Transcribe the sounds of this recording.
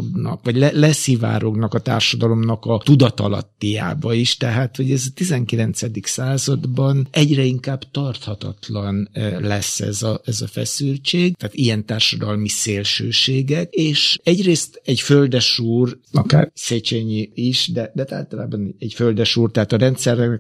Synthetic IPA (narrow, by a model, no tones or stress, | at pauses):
ɡnɒ̰kʋɒɟlɛlɛsiva̰ːɾoɡnɒkɒt̪a̰ːrʃɒd̪ɒlo̞mnɒkɒt̪ud̪ɒt̪ɒ̰lɒ̰t̪ːija̰ːbɒiʃt̪ɛɦaːt̪ho̞ɟɛzɒt̪izɛŋkilɛnt̪sɛd̪iksaːzɒd̪bɒnɛɟrɛiŋkaːbt̪ɒrt̪hɒt̪ɒ̰t̪lɒnlɛsːɛ̰zɒɛzɒfɛ̰sylt͡ʃeːɡt̪aːt̪ijɛnt̪aːrʃɒd̪ɒlmiseːlʃøːʃeːɡɛkeːʃɛɟreːst̪ɛɟføld̪ɛʃuːrɒka̰ːrset͡ʃeɲiiʃd̪ɛd̪ɛt̪a̰ːlt̪ɒla̰ːbɒnɛɛɟføld̪ɛʃuːrt̪ɛɦaːt̪ɒɾɛnt̪sɛrɛ